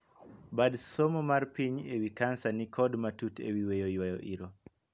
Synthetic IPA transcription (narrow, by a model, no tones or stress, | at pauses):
badsomomarpiɲewikansanikʰɔdmatutʰḛwiwejojwajɔʔiɾo